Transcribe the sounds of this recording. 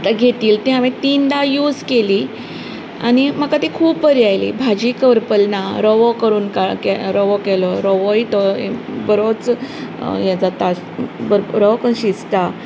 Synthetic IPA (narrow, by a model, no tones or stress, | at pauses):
at̪aɡʱet̪iːlt̪iɦamẽt̪iːnd̪ajuːd͡zkeliː | a̰ñimakat̪ikʰuːpːəɾjajlḭbʱad͡ʑiːkəʋəɾpəlnaɾɔʋɔkəɾuːnkakɛɾɔʋɔkɛlɔɾɔʋojt̪ɔbəɾot͡s | jãd͡zat̪a | bəɾɾɔkəɕist̪a